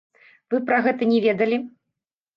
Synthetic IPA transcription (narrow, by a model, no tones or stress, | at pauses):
vɨpɾaɣɛt̪ɐnʲɛvʲɛd̪ɐlʲi